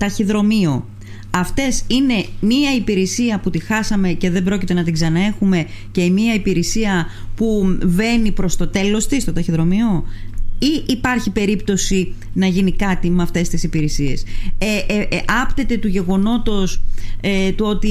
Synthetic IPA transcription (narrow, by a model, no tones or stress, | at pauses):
t̪ɐçiðɾo̞mio̞ | ɐft̪e̞sine̞miɐipiɾesiɐput̪ixɐsɐme̞ce̞ðe̞bɾo̞cit̪e̞nɐt̪iɡzɐnɐe̞xume̞ce̞miɐipiɾesiɐ | puve̞nipɾo̞st̪o̞t̪e̞lo̞st̪ist̪ot̪ɐçiðɾo̞mio̞iʔːpɐɾçipe̞ɾipt̪o̞si | nɐʝinikɐt̪imeɐft̪e̞st̪isipiɾesie̞seʔɐpt̪e̞t̪e̞t̪uʝe̞ɣo̞no̞t̪o̞set̪uo̞t̪i